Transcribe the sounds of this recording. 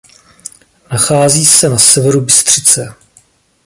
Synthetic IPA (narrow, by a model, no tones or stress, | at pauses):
naxaːziːsɛnasɛvɛɾubɪst̪r̝̥ɪt͡sɛ